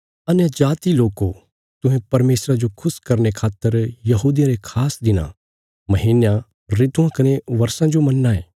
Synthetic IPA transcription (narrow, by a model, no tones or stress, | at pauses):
ɐnjəd͡ʒaːt̪iloːko | t̪ʊ̃ɦẽpɐɾmeːsɾad͡ʒokʰʊskɐɾnekʰaːt̪ːəɾjɐɦuːd̪ijãɾekʰaːsd̪ɪnã̰ | mɐɦiːnjã | ɾɪt̪uãkɐneʋɐɾsãd͡ʒomɐnːaːeː